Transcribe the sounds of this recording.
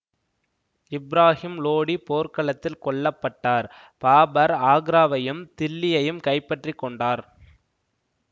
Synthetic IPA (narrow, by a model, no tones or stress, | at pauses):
ɪbɾaːhɪmloːɽipoːɾkɐɭɐt̪ːɪlkɔɭːɐpːɐʈːaːɾ | paːbɐɾaːɡɾaːʋɐjɯmt̪ɪlːɪjɐjɯmkɐɪpːɐʈrikːɔɳɖaːɾ